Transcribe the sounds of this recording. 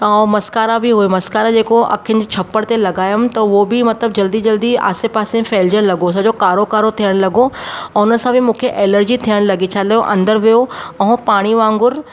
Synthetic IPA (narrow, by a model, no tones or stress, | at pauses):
amɐskaːɾabɪɦuemɐskaːɾad͡ʑeːkoʔɐ̰kʰənɪ̆d͡ʑt͡ɕʰɐpːəɽt̪elɐɡaːjʊmt̪ɐʋobɪmɐt̪ləb̚d͡ʑɐld̪id͡ʑɐld̪ia̰ːsepaːsẽfeːld͡ʑəɽ̃lɐɡos̬ɐd͡ʑokaːɾokaːɾot̪ʰijəɽ̃lɐɡõʊnənɪ̆sãbɪmũːkʰeʔeːləɾd͡ʑit̪ʰijəɽ̃lɐɡit͡ɕʰaːlɐjoʔɐ̰̃nd̪əɾʋijoɐɦõpaːɽ̃iʋãːŋɡʊɾ